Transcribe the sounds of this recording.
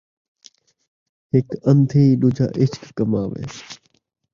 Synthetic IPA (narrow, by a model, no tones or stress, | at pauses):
ɦɪkənd̪ʱʰiːɗʊːd͡ʒʱa̰ːʔɪt͡ʃkkəmaːʋḛː